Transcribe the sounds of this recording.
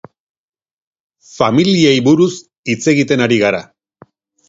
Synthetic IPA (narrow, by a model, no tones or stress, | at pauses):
familiejβuɾus | it͡se̞ɣit̪e̞naɾiɣaɾa